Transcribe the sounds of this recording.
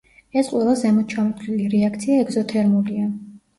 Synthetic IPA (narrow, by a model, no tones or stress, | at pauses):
ɛsqʼwɛlˠazɛmɔt͡ʃʰamɔt̪ʰliliɾɛakʰt̪sʰiaɛɡzɔt̪ʰɛɾmulia